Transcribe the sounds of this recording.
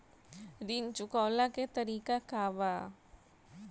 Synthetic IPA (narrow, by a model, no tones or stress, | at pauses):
ɾint͡ʃʊkɔːlaket̪ɐɾiːkakaːʋa